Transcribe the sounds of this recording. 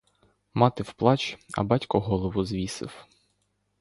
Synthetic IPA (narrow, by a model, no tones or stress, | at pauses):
mɑt̪ɪwplˠɑt͡ʃɐ̰bɑtʲkɔɦɔlˠɔʋʊzʋʲisɪ̰w